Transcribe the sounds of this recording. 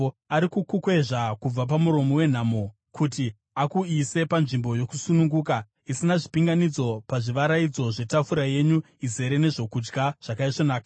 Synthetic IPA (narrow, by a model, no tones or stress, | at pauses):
aɾikukukwe̞ʐakub͡vap̬amuɾo̞mowe̞n̤amo | kuti | akuise̞panʐimbo̞jo̞kusunuŋɡuːka | isinaʐipiŋɡanid͡zo̞paʐiʋaɾaid͡zo̞ʐe̞tafuɾaje̞ɲu | ize̞ɾe̞ne̞ʐo̞kud͡ʒɡaʐ̥akaiʂonaːka